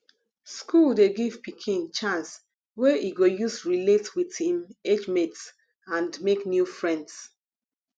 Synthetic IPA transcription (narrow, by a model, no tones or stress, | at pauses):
skuldeɡiv̥pikʰĩnt͡ʃãns | weiɡojusɹiletwiðhĩmed͡ʒmets | ãndmeknjufɹɛ̃nds